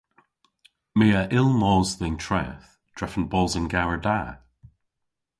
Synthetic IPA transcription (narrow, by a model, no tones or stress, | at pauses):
miːəʔɪlˠmɔːzðɪŋtʰɹ̥ɛ̰ːθ | d̥ɹɛfə̃nbɔlˠzənɡaɹəda